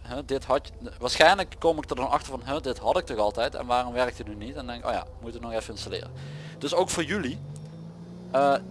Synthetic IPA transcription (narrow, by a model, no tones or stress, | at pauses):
ɦɛdɪtɦɑt | ʋaːɹsχxɛjnləkːomɪk̚ddɑnɑ̰xtəɹvɑnɦədɪtɦɑtɪk̚tɔɣɑlˠtɛjtɛ̰nʋaːrɔmʋɛɹktətnynitɛndɛŋkɪko̰ːja̰ːmutəʋənɔxɛfəɪnstalɪ̰ːrə | d̥ɵsowkfʊːɹjyli | əː